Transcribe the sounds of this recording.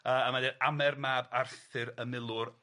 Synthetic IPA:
əːəmadɛamɛrmaːbarθɨɾəmɪlˠʊr

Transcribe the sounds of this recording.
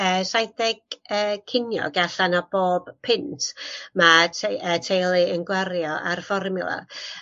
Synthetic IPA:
əːsajdɛɡəːkʰɪnjɔ̰ɡaɬanɔb̥oːb̥pʰɪntʰmaətʰejlˠɨənɡwaɾjɔʔarfɔrmʊlˠa̰

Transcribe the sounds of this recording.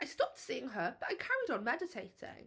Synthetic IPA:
ʔaɪstɒp̚tsiɪ̃ŋəb̥ʌtaɪkʰaɹɪɾn̩mɛdɪtʰeɪtʰɪ̰̃ŋ

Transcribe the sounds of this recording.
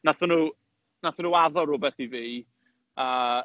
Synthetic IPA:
naθənuː | naθənuːaðɔɾʊbɛθiviː | a

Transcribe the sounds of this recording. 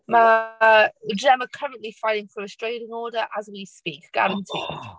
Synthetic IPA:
mə | dɹɛməkʰəɹə̃nʔlifaɪlɪ̃ŋfəməstɹ̥eɪdɪ̃ŋɔːdəɹʔəzwispiˑkɡ̥a̰ɹə̃ntʰḭ̥̃

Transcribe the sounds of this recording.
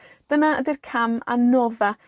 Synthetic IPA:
d̥ənaə̰dirkʰama̰nɔða

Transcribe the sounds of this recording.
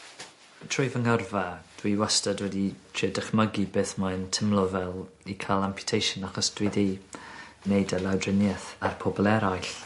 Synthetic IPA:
tʰr̥ʊɨvəŋərvad̥wiwastədwɛditʰriːdəχməɡibɨːθmantʰəmlˠɔvɛlˠikʰalˠampʰjʊ̥tʰejʃənaχɔsd̥wiði | nejdəlawdrɪnjɛθarpʰɔbɔlˠɛɾajɬ

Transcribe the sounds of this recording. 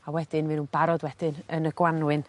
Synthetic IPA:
awɛd̥ɪnvɪnunbaɾɔdwɛd̥ɪnənəɡ̥wanwɨn

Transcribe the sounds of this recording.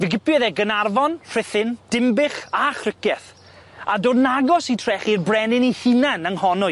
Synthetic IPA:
vɪɡɪpjɔðɛɡənarvɔnr̥ɪθɪnd̥ɪmbɪχaχrɪkɛθ | adoːdnaɡɔsitʰrɛχirbrɛnɪnihɨnanəŋhɔnʊ

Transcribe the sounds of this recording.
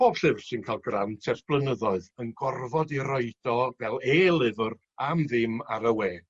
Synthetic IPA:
b̥oːb̥ɬɪvrsɨnkʰaːlˠɡrantʰɛrsb̥lˠənəðɔɨðənɡɔrvɔdiɾɔɨd̥ɔvɛlˠeːlˠɪvr | amðɪmaɾəweː

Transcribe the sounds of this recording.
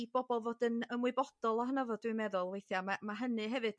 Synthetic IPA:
b̥ɔbɔlˠvoːdənəmwɨbɔd̥ɔlˠɔɦənavɔdwɪɨmɛðʊlˠvejθjamamaɦənɨɦɛvɨd̥

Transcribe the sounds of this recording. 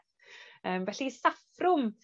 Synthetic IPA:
əːmvɛɬisafrʊm

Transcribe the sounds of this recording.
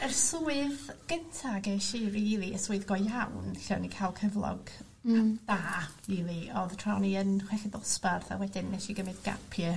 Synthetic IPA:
ərsuːɨðɡ̥əntʰaɡeʃiriilˠiəsuɨðɡɔjawnɬɛ̰wnikʰajlˠkʰəvlˠɔ̰ɡ | d̥aːiːlˠiɔðtʰrɔniənχwɛɬɛdɔsbarθa̰wɛdɪnːɛʃiɡəmɨdɡ̥a̰pʰjə

